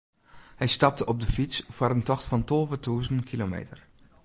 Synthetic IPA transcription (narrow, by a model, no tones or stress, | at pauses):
hɛjstɑp̚təʔɔp̚dəfisv̥ʊːɾəntɔxtfɑntɔlˠvətʰuːzənnkʰilomḛjtəɹ